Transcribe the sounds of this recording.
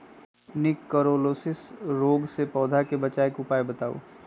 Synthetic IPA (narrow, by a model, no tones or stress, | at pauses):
nɪkːəɾoːlosɪsɾoːɡsepɔːd̪ʱakebət͡ʃaːekʊpaːebət̪aːo̰